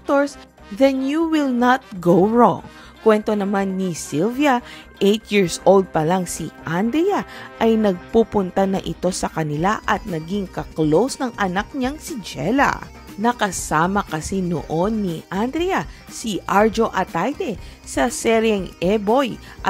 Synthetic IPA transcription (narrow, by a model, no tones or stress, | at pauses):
k̚t̪oɹs | ðɛnjuwɪlnɐt̪̚ɡowɹɔ̰ŋ | kwɛnt̪o̞nɐmanːisilvjɐ | ʔejt̪jiɹsʔold̪̚pɐlaŋsiʔand̪ɾɛjaʔɐjnɐɡ̚pupʊnt̪ɐnɐʔɪt̪o̞sɐkɐnɪlaʔɐt̪̚nɐɡiŋkɐklowsnɐŋʔɐnak̚ɲaŋsid͡ʒɛ̰lɐ̰ | nɐkɐsaːmɐkɐsino̰ʔonːiʔand̪ɾɛja | siʔaɹd͡ʒoʔɐt̪ajd̪ɛsɐsɛɾjɛŋɛbojʔ